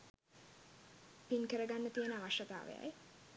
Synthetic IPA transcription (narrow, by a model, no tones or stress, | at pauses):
piŋkəɾəɡanːət̪ijənəaʋaʃːət̪a̰ːʋḛja̰j